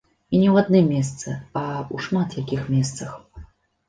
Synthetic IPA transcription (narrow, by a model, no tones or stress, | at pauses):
inʲɛwad̪nɨmːʲɛs̬t̪sɨauʂmat̪jakʲixmʲɛst̪sɐx